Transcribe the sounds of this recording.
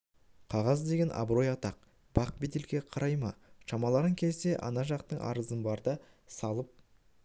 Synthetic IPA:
qʰɑʁɑzd̪e̞ɡʲe̞nʔɑ̰bɾo̞jɑt̪ɑq̚ | b̥ɑq̚bed̪elɡʲe̞qʰɑɾɑjmɑʃɑmɑlˠɑɾəŋkʲʰe̞lse̞ʔɑ̰nɑʒɑqt̪əɴɑ̰ɾəzənbɑɾd̪ə | sɑlˠəp̚

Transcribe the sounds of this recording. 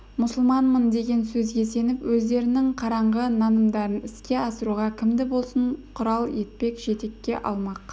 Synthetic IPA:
mʊsəlˠmɑnmənd̪e̞ɡʲe̞nsɵzɡʲe̞se̞nɪpwɵzd̪e̞ɾɪnɪŋqʰɑɾɑɴʁənɑnəmd̪ɑɾənɪskʲe̞ɑsəɾuʁɑkʲʰɪmd̪ɪbo̞lˠsəɴqʰʊɾɑlˠe̞t̪̚pe̞kʒ̥e̞t̪e̞kʲːe̞ʔɑ̰lˠmɑq

